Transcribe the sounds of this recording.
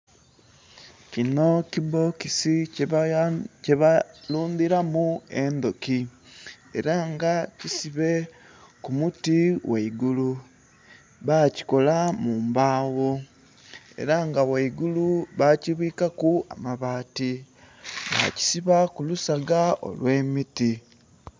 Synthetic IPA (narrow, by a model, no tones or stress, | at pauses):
cinociβokisic | cealuːndiɾamuend̪oki | ḛɾaŋɡacisiβe | kumutiwaiɡulu | βaci̥ko̞lamuːmbaːwo | e̞̰ɾaŋɡawaiɡuluβaciβiːkakua̰maβaːti | βa̰ci̥siβakulusaɡao̰lwe̞ːmiti